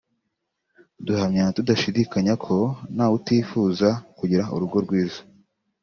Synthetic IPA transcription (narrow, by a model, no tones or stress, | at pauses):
duhamɲatudaʃidikaɲakʰo̞naːwutiːfuːzakuɟiɾauɾuɡo̞ɾɡwiːzo̥